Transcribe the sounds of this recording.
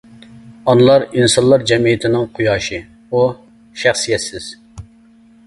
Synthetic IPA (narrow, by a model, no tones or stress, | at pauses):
ɑnɨlˠɑɾinsɑnlˠɑɾd͡ʒɛmijɪt̪ʰɪnɪŋqʰujɑːʃi | u | ʃæχsijɛt̪sɪz̥